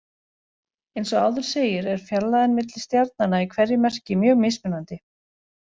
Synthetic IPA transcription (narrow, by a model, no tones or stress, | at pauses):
ejnsɔɣaːwðʏɾ̥seːjɪɾɛɾ̥fjaɾlaðɪnmɪt̪lɪst̪jaɾt̪nanːaikʰvɛrjɪmɛr̥cɪmjœːɣmejspɪnːant̪ɪ